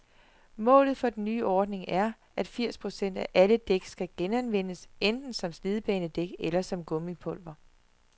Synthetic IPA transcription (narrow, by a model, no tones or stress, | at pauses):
mɔ̰̽ːlð̩ˠfɒ̽d̥ennːyːʔɒːd̥ne̝ŋæɐ | ʔæd̥fiɐ̰spʰʁo̝sen̰d̥æʔæləd̥eɡ̥sɡ̥æɡ̥enænʋen̰əsend̥n̩sɒ̽msliðˠb̥ɛːnəd̥eɡ̥elɐsɒ̽mɡ̥ɔ̽mipʰɔ̽l̰ʋɐ